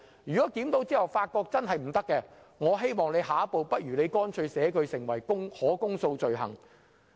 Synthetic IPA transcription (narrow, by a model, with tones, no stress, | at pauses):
jyː˨kɔː˨˥kiː˨˥mt̪o˨˥wt͡siː˥hɐ˨wfaː˧t̚kɔː˧k̚t͡sɐ˥nɦɐ˨jm̩˨˩t̪ɐ˥kːɛː˧ | ŋɔː˨˧ɦe˥jmɔː˨ŋnle˨˧jɦaː˨˥ɐ˥po˨˧wpɐ˥t̚jyː˨˩ne˨˧jkɔː˥nt͡ʃʰɵ˧ɥsɛː˨˥kʰɵ˨˧ɥsɪ˨˩ŋwɐ˨˩jkʊ˥ŋhɔː˨˥kʊ˥ŋso˧wt͡sɵ˨ɥɦɐ̰˨˩ŋ